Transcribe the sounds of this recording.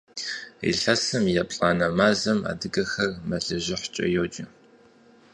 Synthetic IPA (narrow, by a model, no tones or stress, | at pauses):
ḭɬɐsɐmjɛpɬʼaːnɐmaːzɐma̰ːdɨɡɐxɐrmɐɮɐʒɪħt͡ʃʼɐ̰joːd͡ʒʼɪ